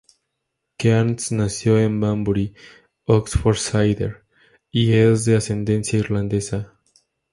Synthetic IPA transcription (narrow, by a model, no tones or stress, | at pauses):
kansnasjo̞embambuɾi | oksfoɾsajðḛɾ | iezðease̞nd̪ẽ̞nsjaiɾlãnd̪esa